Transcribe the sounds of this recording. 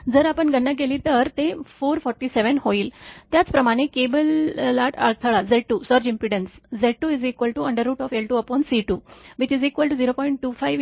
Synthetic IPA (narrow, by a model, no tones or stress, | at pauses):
d͡zəɾapəɳɡənːək̬elit̪əɾt̪efoɾfɔɾʈiseʋənhoiːlt̪jat͡spɾəmaɽ̃ekebəlːaʈa̰ɭt̪ʰəɭad͡zeʈ̚ʈːusəɾd͡ʑĩmpiɽənsd͡zeɖ̚ʈːuizikʋəlʈuəɳɖəɾːuːʈɔfelʈuəpɔnsiʈuʋit͡ɕizikʋəlʈud͡ziɾopɔiɳʈ̚ʈːufajʋ